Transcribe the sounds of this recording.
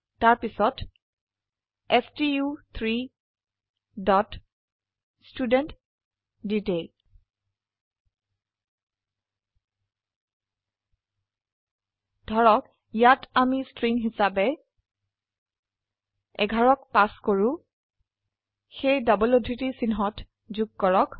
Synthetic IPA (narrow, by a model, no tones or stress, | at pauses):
taɹpisɔt | ɛstiut̪ʰɹi | dɔt | studɛnt | ditej | d̥ʱɔɹɔk | jatamistɹiŋɦisabɛ | ɛ̰ɡʱaɹɔk̚paskoɹũ | xejdabɔlodʱitisinɦɔt | zuɡ̚kɔɹɔk